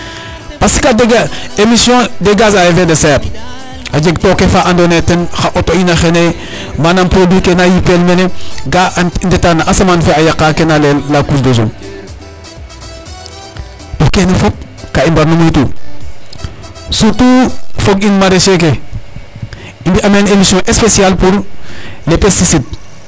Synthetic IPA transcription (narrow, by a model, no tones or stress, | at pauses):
pasi̥kadeɡaemisjõdeɡas̬ajefedesɛɾ | ad͡ʒeɡ̚tokefaʔandonetenxaʔotoinaxene | manampɾodwikenajipelmeneɡaʔndetanaʔasamanfeajakːakenalelːakusdos̬ṵŋ | tokenefop̚ | kaimbaɾnonitu | sutufoɡinmaɾesek̬e | indiʔamenelisiõʔespesialpuɾlepestisid̚